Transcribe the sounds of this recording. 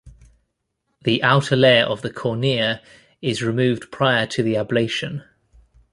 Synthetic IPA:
ðiʔaʊtʰəlɛːɹʔə̰vðəkʰɔːnɪːə | ɪzɹɪmʉːvdpʰɹ̥aɪətʰəðiableɪʃə̃n

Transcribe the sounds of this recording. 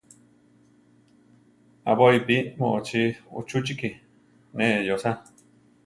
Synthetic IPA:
a̰βoipimõʔot͡ʃiṵt͡ʃut͡ʃiki | nẽʔjosa

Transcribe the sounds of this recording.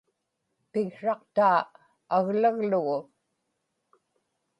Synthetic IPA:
pɪɣʂɑqt̪aː | aɣlaɣlʊɣʊ

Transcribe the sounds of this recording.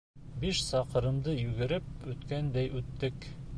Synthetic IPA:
biʃsɑqɤ̆ɾɤ̆md̪ɤjʉɡɘ̆ɾɘp̚ʉt̪kænd̪æjʔʉt̪ːɘk

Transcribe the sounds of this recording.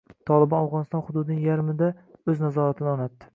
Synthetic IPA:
t̪ʰɒlˠɪbɒnawʁɒnɪst̪ɒnhʊd̪ʊd̪ɪnɪŋjaɾmɪd̪aɵznazɒɾat̪ʰɪnɪɒnat̪ːɪ̥

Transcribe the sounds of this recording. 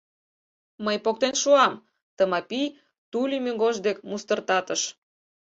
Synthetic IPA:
məjpok̚t̪enʃuɑm | t̪əmɑpij | t̪ulʲimʲyŋɡoʒd̪ekmust̪ərt̪ɑt̪əʃ

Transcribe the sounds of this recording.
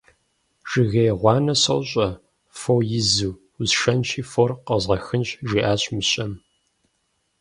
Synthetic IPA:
ʒ̥ɨɣejʁʷɑːnɐsɐ̰wɕʼɐ | fojɪzuː | zʂɐnt͡ʃʰiːforqəzʁɐxɨnɕʒiːʔaːɕʼmɨɕʼɐm

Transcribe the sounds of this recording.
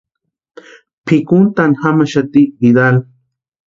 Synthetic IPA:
pʰikunt̪anixamaʃat̪ibid̪al

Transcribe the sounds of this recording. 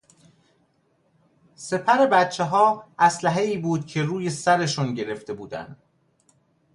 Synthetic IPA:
se̞pʰæɾe̞bæt̪̚t͡ʃʰːeɦɒːʔæslæɦe̞iːbuːd̪̚cʰe̞ruːje̞sæɾe̞ʃunɟe̞ɾe̞ft̪e̞buːd̪æ̰nd̪̥

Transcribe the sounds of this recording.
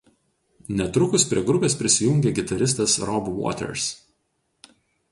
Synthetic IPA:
nʲɛt̪ɾʊkʊspʲɾʲiɛɡɾʊpʲeːspʲɾʲɪsʲɪjʊŋʲɡʲeːɡʲɪt̪ɐɾʲɪs̬t̪ɐsɾɔbʋo̰ːt̪ʲɛ̰ɾs

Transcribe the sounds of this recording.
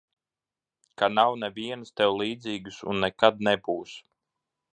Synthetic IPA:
kanawnɛvʲiɛnst̪ɛwlˠiːd̪ziːɡɨsṵnːɛkad̪̚nɛbuːs

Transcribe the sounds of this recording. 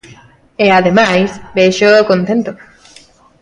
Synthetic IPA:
eaðemajsbeʃokõnt̪ẽnt̪o

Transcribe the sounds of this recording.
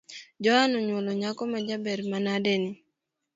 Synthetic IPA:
d͡ʒɔhanɔɲwoloɲakɔmɛd͡ʒabɛɾmanadeni

